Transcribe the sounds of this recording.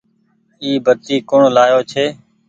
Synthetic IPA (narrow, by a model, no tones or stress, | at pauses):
iːbət̪iːkʊɳlaːjoːt͡ʃʰeː